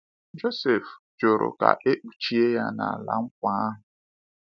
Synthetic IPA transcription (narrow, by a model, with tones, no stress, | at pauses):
d͡ʒo˦se˨fd͡ʒo˨ɾʔo̰˨ka̰˨ʔe˦k͡pu˨t͡ʃi˦e˦ja˦na̰˨a˨la̰˨ŋ̩˦kʷa˦a˦ɦʊ˨